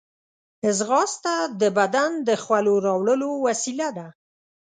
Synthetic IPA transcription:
ɪzɣɑst̪ad̪əbad̪and̪əxwaloɾɑwɽəlowasilad̪a

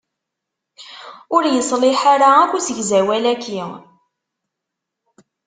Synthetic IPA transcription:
ʊɾjəsˤlɪħaɾaækʷːusəʝzæwælækːi

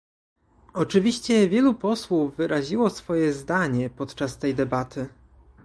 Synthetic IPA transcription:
ɔt͡ʂɘvʲiɕt͡ɕɛvʲjɛlupɔswuvːɘɾʔaʑiwɔsfɔjɛzd̪aɲɛpɔt̪t͡ʂast̪ɛjd̪ɛbat̪ʰɘ

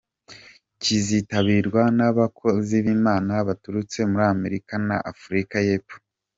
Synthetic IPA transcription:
cizitaβiːɾɡwanaβakʰo̞ziβimaːnaβatuɾut͡se̞muɾame̞ɾikana̰ʔafuɾikaje̞ːpfo̥

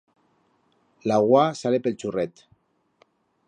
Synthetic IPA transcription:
laɣwasalepelt͡ʃurɛt̪

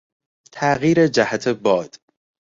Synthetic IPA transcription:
t̪ʰæʔɣiːɾed͡ʒæhæt̪ʰebɒːd̪̥

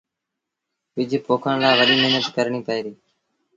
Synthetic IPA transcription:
ʋɪd͡ʒpoːkʰəɳ̃laːʋəɗiːmɪɦnət̪kəɾɳiːpəiːɾiː

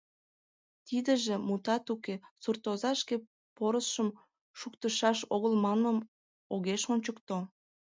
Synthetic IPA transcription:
t̪id̪əʒemut̪ɑt̪ukesurt̪ozɑʃke | poɾəsʃəm | ʃukt̪əʃɑʃoɣəlmɑnəm | oɣeʃonʲt͡ɕəkt̪o

